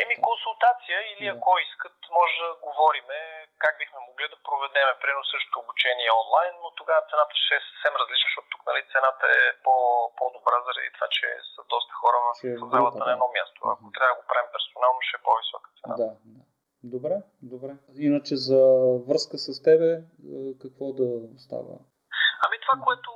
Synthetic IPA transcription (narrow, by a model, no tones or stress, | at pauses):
ɛmikonsulˠt̪at̪sijəiliɐkɔiskət̪mɔʒɛd̪ɐɡovɔɾimɛkaɡ̚bixmɛmoɡlid̪ɐpɾovɛd̪ɛmɛpɾiɛnosɤʃt̪o̥t̪oːbut͡ʃɛniɛɔnlˠajnːot̪oɡavət̪sɛnat̪ə̥ʃɛsə̥fsɛmɾəzlit͡ʃnəʃt̪ɔt̪t̪uknɐlit̪sɛnat̪əɛpɔpɔd̪obɾazəɾɐ̰d̪it̪ova̰t͡ʃɛ̰səd̪ɔst̪ə̥xɔɾəvəfɛzalˠət̪ənɐɛd̪nɔmʲjast̪o̰a̰kot̪ɾʲabəd̪əɡopɾavimpɛɾsonalˠnoʃɛpɔvisɔkə̥t̪sɛnad̪ad̪a | d̪obɾɛ | d̪obɾɛ | inət͡ʃɛzɐvɤskəsɐst̪ɛbɛ | kɐkvɔd̪ɐst̪a̰və̰ | ɐmit̪ovakoɛt̪ʊ